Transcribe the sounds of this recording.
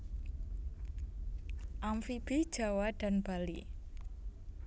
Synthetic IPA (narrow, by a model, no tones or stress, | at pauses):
ʔamfib̥id̥ʒ̥a̤waɖ̥a̤nbalḭ